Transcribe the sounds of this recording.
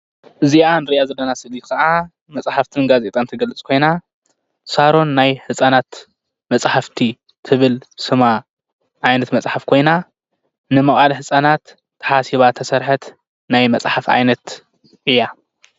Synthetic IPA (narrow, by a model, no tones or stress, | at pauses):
ʔɨzianɨɾiʔazɐlːɐnasɨlikʰɐʔa | mɐt͡sʼħaft̪ʰɨnɡaze̞t̪ʼant̪ʰɨɡɐlɨt͡sʼkʰo̞jna | saɾo̞nːajhɨsʼanat̪ | mɐt͡sʼħaft̪ʰi | t̪ʰɨβɨlsɨma | ʔajnɐt̪mɐt͡sʼħafkʰo̞jna | nɨmɐχʼalhɨsʼanat̪ʰː | ɐ̥ħasiβat̪ʰɐsɐɾħɐt̪ | najmɐt͡sʼħafʕa̰jnɐt̪ | ʔɨjːa